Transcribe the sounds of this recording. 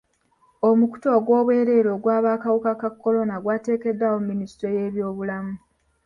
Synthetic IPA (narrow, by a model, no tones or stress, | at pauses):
o̞muku̥to̞ɡwo̞ːβwe̞ːɾe̞ːɾo̞ːɡwaːβaːkawukakakːo̞lo̞naɡwaːte̞ːke̞dːawo̞mːinistɾo̞je̞ːβjo̞ːβulamu